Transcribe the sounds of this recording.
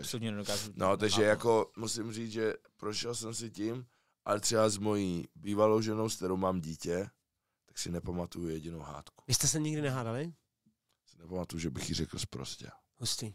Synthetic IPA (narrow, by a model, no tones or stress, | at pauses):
slut̪ɲɛnɛdokaːzunot̪aɡʒɛjako̞musɪmriːʒɛpɾoʃɛlsɛmsɪcɪm | ʔalɛt̪r̥ɛbazmo̞jiːbiːvalowʒɛno̞wskt̪ɛɾowmaːmɟiːcɛ | t̪ḁksɪnɛpamat̪ujujɛɟɪnowɦa̰ːt̪ku̥vɪst̪ɛsɛɲɪɡdɪnɛɦaːdalɪ | sɪnɛpamat̪ujuʒɛbɪxjɪrɛkl̩spɾo̰scɛ̰ | husc̪ɪ